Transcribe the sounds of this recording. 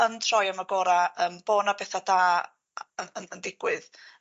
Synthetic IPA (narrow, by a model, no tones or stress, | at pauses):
əntʰr̥ɔjamaɡoːɾaəːmb̥oːnabɛθadaː | əənəndɪɡ̥wɨð